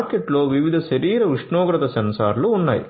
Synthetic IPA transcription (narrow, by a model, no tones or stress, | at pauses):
ɾkeʈloːʋiʋid̪ʱɐʃɐɾiːɾɐʋiʂɳoːɡɾɐt̪ɐsɐnsa̰ːɾluːnːa̰ːjḭ